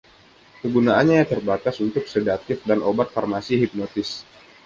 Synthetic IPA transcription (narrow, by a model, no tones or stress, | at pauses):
kəɡunaanɲajaŋt̪ərbak̪asunt̪ʊk̚sedat̪ɪfdanobat̪̚farmasiɦip̚not̪ɪs